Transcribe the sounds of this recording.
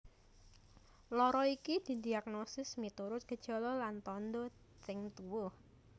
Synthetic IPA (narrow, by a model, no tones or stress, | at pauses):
lɔɾɔikid̪̥i̤d̪iak̚nosɪsmit̪uɾʊt̪̚ɡ̥ə̤d̥ʒ̥o̤lɔlant̪ɔnd̪ɔ | t͡ʃɪŋt̪uwʊh